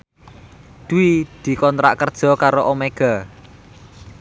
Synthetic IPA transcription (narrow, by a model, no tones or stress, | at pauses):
d̪̥uwid̪̥i̤kɔnt̪ɾa̰ʔkərd̥ʒ̥ɔ̤kaɾoʔomeɡ̥a̤